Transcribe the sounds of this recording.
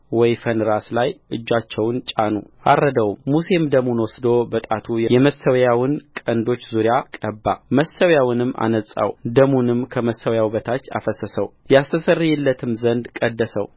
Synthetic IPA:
wɔjfənɨɾaslajʔɨd͡ʒːat͡ʃːɛwnt͡ʃʼanṵʔa̰rːəd̪əwmuse̞md̪əmunwɔsd̪o̞bət̪ʼat̪ʰujɛjɛməsəwjawɨnkʼənd̪o̞t͡ʃːzuɾjakʼəbːa̰məsəwjawɨnɨmːa̰nəsʼa̰wd̪əmunɨmkʰəməsːəwjawbət̪ʰat͡ʃːa̰fəsəsəwjɛast̪ʰəsərijɛlːət̪ʰɨmzənd̪kʼəd̪ːəsəw

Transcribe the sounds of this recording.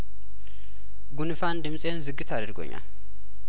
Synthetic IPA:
ɡunɨfand̪ɨmsʼe̞nzɨɡːɨt̪ʰad̪ɨɾɡo̰ɲːa̰l

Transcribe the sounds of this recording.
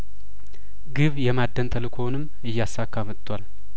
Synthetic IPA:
ɡɨβjɛmad̪ːənt̪ʰəlɨkʰo̞nɨm | ɨjːasːakːamɨt̪ʰʼːwal

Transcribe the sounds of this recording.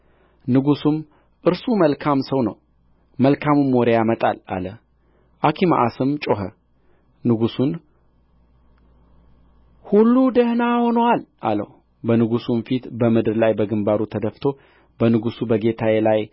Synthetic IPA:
nɨɡusum | ʔɨɾsuməlkʰamsəwnə̰w | məlkʰamɨmːoɾejamət̪ʼa̰la̰lə | ʔakʰima̰ʔasɨmt͡ʃʼo̞ɦə | nɨɡusun | hulːud̪əhnaho̞nəwalʔa̰lə̰h | bənɨɡusumfit̪bəmɨd̪ɨɾlajbəɡɨmbaɾut̪ʰəd̪əft̪ʰo̞ | b̥ənɨɡusubəɡe̞t̪ʰajelaj

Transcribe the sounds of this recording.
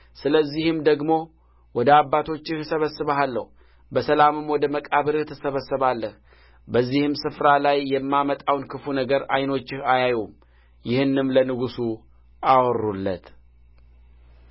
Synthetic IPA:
sɨləzːihɨmd̪əɡmo̞ | wɔd̪əabːat̪ʰo̞t͡ʃːɪhsəβəsːɨβəalːə̰hu | bəsəlamɨmwɔd̪əməkʼaβɨɾɨht̪ʰɨsəβəsːəβalːəh | bəzːihɨmsɨfɾalajːɛmːamət̪ʼawnkʰɨfunəɡəɾajno̞t͡ʃːɪhajajum | jɪhɨnːɨmlənɨɡusu | awrulːə̰t̪

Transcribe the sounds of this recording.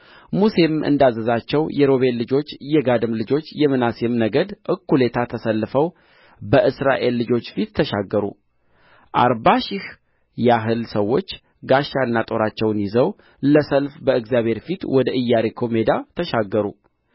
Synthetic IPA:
muse̞mʔɨ̰nd̪azːəzat͡ʃːɛwjɛɾo̞βenlːɨd͡ʒo̞t͡ʃːjɛɡad̪ɨmlɨd͡ʒo̞t͡ʃːjɛmɨnasemnəɡəd̪ʔɨkːule̞t̪ʰat̪ʰəsəlːɨfəw | bəʔɨsɾa̰ʔe̞lːɨd͡ʒo̞t͡ʃːfit̪ʰːəʃaɡːəɾṵ | ʔa̰ɾbaʃɪh | jaɦɨlsəwːo̞t͡ʃː | ɡaʃːanːat̪ʼo̞ɾat͡ʃːɛwnjɪzəw | ləsəlfbəɨɡzjaβhe̞ɾfit̪wɔd̪əʔɨjːaɾekʰo̞me̞d̪at̪ʰəʃaɡːəɾṵ

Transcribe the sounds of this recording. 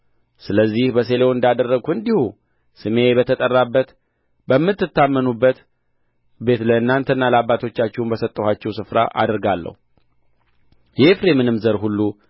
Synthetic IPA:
sɨləzːihbəse̞leoɨnd̪ad̪ərːəɡuɨnd̪ihu | sɨme̞bət̪ʰət̪ʼərːabːət̪ | bəmːɨt̪ːɨt̪ːamːənubːət̪ | be̞t̪ləɨnːant̪ʰənːaləabːat̪ʰo̞t͡ʃːat͡ʃːɛwnbəsət̪ʼːəhat͡ʃːɛwsɨfɾa̰ʔa̰d̪əɾɡalːə̰hu | jɛfɾemɨnɨmzəɾhulːu

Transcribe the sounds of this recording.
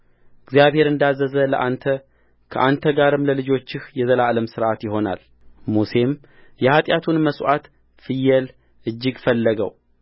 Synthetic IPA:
ɨɡzijaβhe̞ɾɨnd̪azːəzələ̰ʔant̪ʰə | kʰə̰ʔant̪ʰəɡaɾɨmləlɨd͡ʒo̞t͡ʃːɪhjɛzəlaləmsɨɾʔat̪jɪɦo̞na̰l | muse̞m | jɛhat̪ʼjat̪ʰunməsʔat̪ | fɨjːɛl | ʔɨd͡ʒːɪɡfəlːəɡə̰w

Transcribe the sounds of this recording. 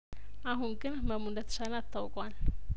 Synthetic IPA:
ʔaɦunɡɨnməmundət̪ʰɨ̥salat̪ʰːawkʼwal

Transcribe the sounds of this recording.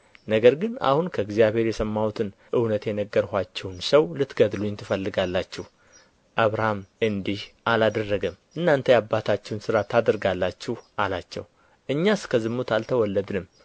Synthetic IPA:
nəɡəɾɡɨna̰hunkʰəɡzjaβhe̞ɾjɛsəmːawt̪ʰɨnʔɨwnət̪jɛnəɡːəɾhʷat͡ʃːɛwnsəwlɨt̪ɡəd̪lujɪnt̪ʰɨfəlːɨɡalːat͡ʃːɛh | ʔaβɾahamɨnd̪ihʔalad̪ərːəɡəmʔɨnːant̪ʰəjabːat̪ʰat͡ʃːɛwnsɨɾat̪ʰad̪əɾɡalːat͡ʃːɛhʔalat͡ʃːɛ̰w | ʔɨɲːaskʰəzɨmːut̪alt̪ʰəwɔlːəd̪nɨmː

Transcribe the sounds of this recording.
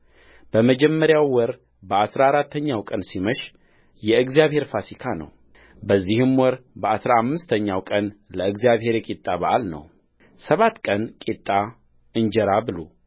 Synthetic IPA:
b̥əməd͡ʒɛmːəɾjawːɔɾ | bəasɾaaɾat̪ʰːəɲːawkʼənsiməʃ | jɛɨɡzijaβhe̞ɾfasikʰanə̰w | bəzːihɨmwɔɾbəasɾaamːɨst̪ʰəɲːawkʼənləɨɡzijaβɦe̞ɾjɛkʼit̪ʼːaβaʔalnə̰w | səβat̪ːkʼənkʼit̪ʼːa | ɨnd͡ʒɛɾabɨlo̰

